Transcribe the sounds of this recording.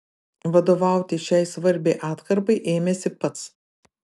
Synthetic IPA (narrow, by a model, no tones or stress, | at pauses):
ʋɐd̪oːʋɑˑʊt̪ʲɪʃʲɛɪsʋɐɾʲbʲɛɪʔɑːt̪kɐɾbɐɪʔeːmʲɛsʲɪpɐt̪s